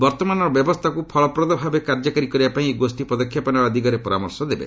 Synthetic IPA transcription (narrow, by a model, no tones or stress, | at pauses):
bɔɾt̪ɔmanɔɾɔbjɔbɔst̪ʰakupʰɔɭɔpɾɔd̪ɔbʱabekaɾd͡ʒɔkaɾikɔɾibapaĩɡosʈipɔd̪ɔkʰːjapɔnabad̪ikɔɾepɔɾamɔɾsɔd̪ebḛ